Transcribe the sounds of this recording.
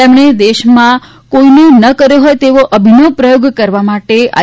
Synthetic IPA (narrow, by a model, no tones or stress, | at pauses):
emɳ̃ed̪eʃmã | koinõnəkəɾjoɦojt̪eʋoʔəbʱinopɾəjoɡkəɾʋamaʈea̰